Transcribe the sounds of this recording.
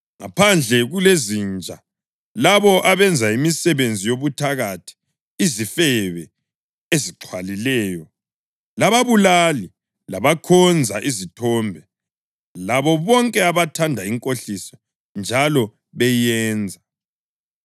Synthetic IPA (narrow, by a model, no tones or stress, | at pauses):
ŋa̰pʰand͡ɮʱɛɣulezint͡ʃʼa̰ | laβɔʔaβɛnd͡zʱaimisɛβend͡zʱijoβutʰaɣatʰi̥ː | zifɛβɛ | eziǁʰwalilɛːjɔ | laβaβulali | laβakʰɔnd͡zʱa̰ʔizitʰɔmbʱɛ | laβɔβɔŋkʼɛaβatʰandʱaiŋkʼoɬisɔ̥ | nd͡ʒʱalɔ | βɛjɛːnd͡zʱa